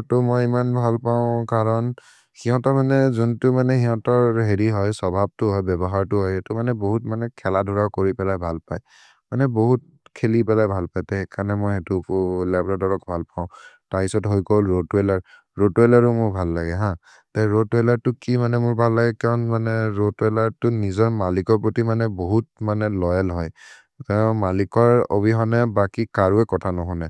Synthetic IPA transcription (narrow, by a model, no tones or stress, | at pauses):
tɔmɔjimanbʱalpaʊ̃kaɹɔn | xiɦɔ̃tɔmanɛzuntʊmanɛhiɦɔ̃tɔɹɦeɹiɦɔjsɔbʱab̚tʊɦɔjbɛbɔɦaɹtʊɦɔjetʊmanɛboɦut̚manɛkʰɛladʱuɹakoɹipɛlajbʱalpaj | manɛboɦut̚ | kʰelipɛlajbʱalpajtɛkanɛmɔjetʊlɛbɹɔdɔɹɔkbʱalpãʊ̃taisɔtɦojkolɹodwelaɹ | ɹotwɛlaɹʊmʊɹbʱalːaɡɛɦã | taɹotwelaɹtʊkimanɛmʊɹbʱalːaɡɛkaɹɔnmanɛɹotwelaɹtʊnizɔɹmalikɔɹpɹotimanɛboɦut̚manɛlɔjɛlɦɔj | tãmalikɔɹo̰biɦɔnɛbakikaɹuɛkɔtʰanɔɦɔnɛ